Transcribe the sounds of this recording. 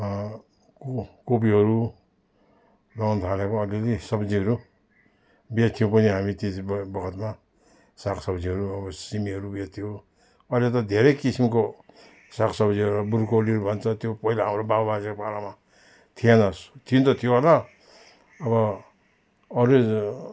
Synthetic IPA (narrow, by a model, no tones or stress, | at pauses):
kkop̬iɦʌɾu | lʌnt̪ʰalekoʌlelisʌbd͡ziɦʌɾu | bet̪ʰːijopʌniɦamit̪esbbʌkʰʌt̪ma | saksʌbd͡ziɦʌɾuʌbʌsimiɦʌɾubet̪ʰːijo | ʌlet̪̬ʌd̪ʱeɾʌjkisimko | sakʰsʌbd͡ziɦʌɾuʌburkoliɦʌɾubʱʌnt͡sʰʌt̪jopʌɦilaɦamɾobabbasikopaɾama | t̪ʰijenʌst̪ʰijunt̪ʌt̪ʰijoola | ʌβʌ | ʌɾe